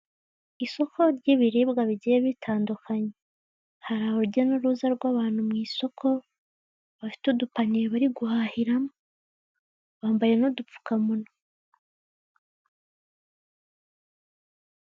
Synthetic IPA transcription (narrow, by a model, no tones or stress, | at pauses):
iso̞kʰo̞ɾɟiβiɾiːbɡaβiɟijeβitʰaːndukʰaɲe | haɾahouɟenuɾuzaɾɡwaːβaːn̥humŋiːso̞kʰo̞ | βafi̥tudupaniɾeβaɾiɡuhahiɾamo | βaːmbaje̞nodup͡fu̥kamuno